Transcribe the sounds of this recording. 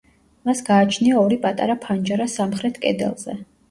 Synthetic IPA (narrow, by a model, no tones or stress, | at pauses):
masɡaːt͡ʃʰniaɔɾipʼat̪ʼa̰ɾapʰand͡ʒaɾasamχɾɛt̪ʰkʼɛ̰d̪ɛ̰lˠz̥ɛ